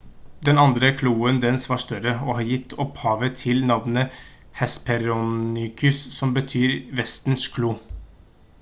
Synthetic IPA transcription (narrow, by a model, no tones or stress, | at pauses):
d̪ɛnɑnd̪ɾəkʰluːənd̪ɛnsʋɑːʂt̪œɾəoːhɑːɾjɪt̪ʰːɔphɑːʋət̪ʰɪlnɑʋnə | hɛspʰɛɾʊnʏkʰʉssɔmbət̪ʰyːɾʋɛst̪n̩skʰluː